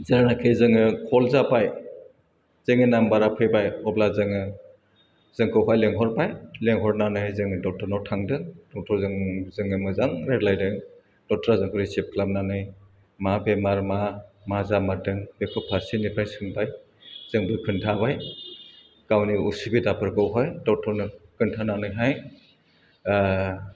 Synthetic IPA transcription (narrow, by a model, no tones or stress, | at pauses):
zɯɾanakʰejzɯŋɯkʰɔlzapaj | z̥ɯŋɯnambaɾapʰɯjbajɔblazɯŋɯ | z̥ɯŋkʰɯwɦajleŋɦɔɾpajleŋɦɔɾnanɯjzɯŋdɔk̚tɔɾnɔtʰaŋdɯŋdɔk̚tʰɔɾzɯŋzɯŋɯmɯzaŋɾetlajdɯŋ | d̥ɔk̚tɾazɯŋkʰɔɾisep̚kʰlap̚nanɯj | mabemaɾmamazamadɯŋb̥ekʰɔpʰaɾsinipʰajsɯŋpaj | z̥ɯŋbɯkʰɯntʰaβaj | kawniusibidapʰɯɾkɯwɦajdɔk̚tʰɔɾnɯkʰɯntʰananɯjɦaj